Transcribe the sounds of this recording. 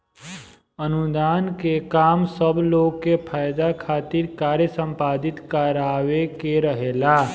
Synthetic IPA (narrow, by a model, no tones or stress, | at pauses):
ənud̪aːnkekamsəbʱloɡkːepʰajd̪akʰat̪iɾkaɾjəsə̃mpad̪it̪kəɾawekeɾəɦela